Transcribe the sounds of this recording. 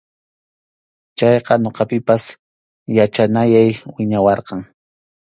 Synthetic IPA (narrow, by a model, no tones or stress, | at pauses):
t͡ʃɑjqɑɲoqɑpɪpas | jat͡ʃanajajwɪɲawɑɾqɑŋ